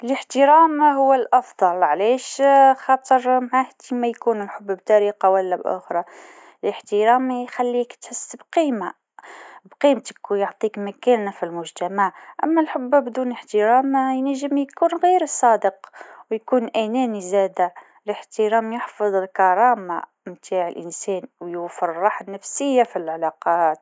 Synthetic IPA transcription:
ələħt̪əɾæmhʊwːəlʔɑfd̪ˤɑlʕliʃxɑt̪ˤəɾˤmaʕahd̪imæjkunəlħʊbːb̚t̪ɑɾiqɑwælːæbʔʊ̰xɾˤɑ | ləħt̪əɾæmjxælːikt̪ħəsːbqiːma | bqimt̪ə̥kjoʕt̪ˤikmækænafilmʊʒt̪amaʕʔæ̰mːælħʊbːbd̪uːnəħt̪əɾɑːmjnæʒːəmjkuːnɣiːɾəsˤːɑːd̪əqwjkuːnʔænænizæːd̪a | ləħt̪əɾæːmjɪħfɨðˤəlkɑɾˤɑːma̰ | mt̪ʰaːʕəlʔɪnsɛːnwjufɑɾrˤːɑħanːæfsəjːafilʕalɑqɑt̪

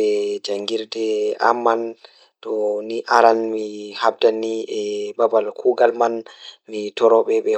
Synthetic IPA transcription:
ɛd͡ʒaŋɡiɾdɛa̰mːan | tɔniʔaɾanmihab̚daniɛbabalkʰuɡalmanmitɔɾɔɓɛɓɛ

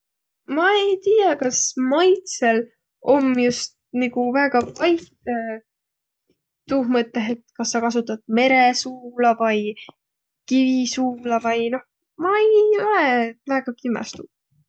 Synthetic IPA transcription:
mɑejt̪iːjɑkɑsmɑjt̪se̞l | ʔo̞mjust̪̚niɡuvæːɡ̥ɑvɑjt̪ | t̪uːhmɤt̪ːˑeɦe̞t̪kɑsːɑkɑs̬ut̪ːˑɑt̪̚me̞ɾesuːlɑvɑj | kivisuːlɑvɑjno̞h | mɑejo̞levæːɡ̥ɑkimɑ̰st̪u

